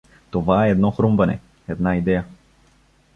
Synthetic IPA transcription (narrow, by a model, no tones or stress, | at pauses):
t̪ovaɛːd̪nɔxɾomvɐnɛ̰ | ɛd̪naid̪ɛja